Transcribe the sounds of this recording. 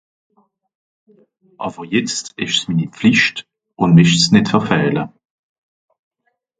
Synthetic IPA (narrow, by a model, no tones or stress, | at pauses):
ʔɑ̰ːb̥əʁjɛt͡stɪʃsmiːnip͡fliʃt | ʔʊndmɛʃsnɪtfɛʁfɛːlə